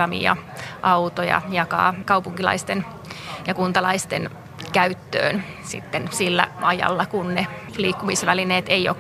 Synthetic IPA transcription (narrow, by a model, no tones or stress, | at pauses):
ɑmḭɑ̰ʔɑwt̪ojɑ̰jɑkɑ̰ːkɑupuŋkilɑ̰ist̪en | jɑkunt̪ɑlɑist̪ḛn | kæyt̪ːø̰ːnsḭt̪ːensilːæ̰ʔɑjɑ̰lːɑkunnefliːkːumisʋælineːt̪ejo̰